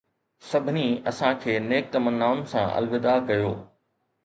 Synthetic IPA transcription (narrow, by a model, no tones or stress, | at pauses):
sɐbʱɪniɐsãkʰeːneːk̚t̪ɐmənːaːʊnɪ̆sãʔɐ̰lʋɪd̪akɐjoː